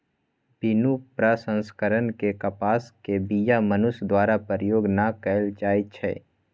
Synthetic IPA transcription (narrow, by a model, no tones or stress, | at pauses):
binupɾasə̃nskəɾənkekəpaːskebijamənʊsd̪waːɾapəɾjoːɡnakɛlt͡ʃaːit͡ʃʰɛ̰ː